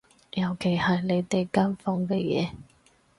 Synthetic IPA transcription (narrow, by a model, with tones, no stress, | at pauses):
jɐ˨˩wkʰe˨˩jhɐ˨jle˨˧jt̪e˨jka˥nfɔ˧ŋkɛː˧jɛ̰ː˨˦